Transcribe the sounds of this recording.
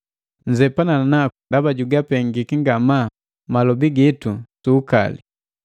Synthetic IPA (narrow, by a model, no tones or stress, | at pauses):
ɲ̩d͡ʒɛpanaanakundabaɟuɡapɛŋɡikiŋɡama | malɔbiɡitusuːka̰li